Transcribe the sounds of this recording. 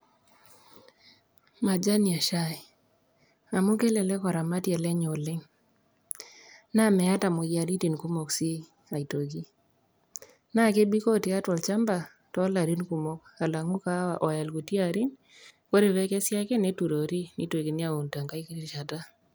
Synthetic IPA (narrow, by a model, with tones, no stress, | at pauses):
ma˨d͡ʒa˦ni˨a˨ʃa˦ɪ˨ | a˨mu˦ke˦lɛ˨lɛ˦kɔ˨ɾa˨ma˦tjɛ˨lɛ˦ɲo˨lɪ˦ŋ | na˦mɛ˨a˦ta˨mo˨ja˨ɾi˦ti˨nku˦mɔ˨ksi˦ | a˨i˨to˨ɡi˦ | na˦ke˦bi˦ko˦ti˨a˦twɔ˨lt͡ʃa˦mba˨ | tɔ˦la˨ɾi˦nku˨mɔ˦ka˨la˨ŋu˦ka˦a˨ʔɔ˨ja˨lku˨ti˦a˨ɾi˦n | ko˦ɾe˨βɛ˦kɛ˦sja˦kɛ˦ne˦tu˨ɾo˨ɾi˦nḭ˦te˨ɡi˨ni˦a˦o˨nta˨ŋɡa˦i˦ki˦ɾi˦˨ʃa˨ta˦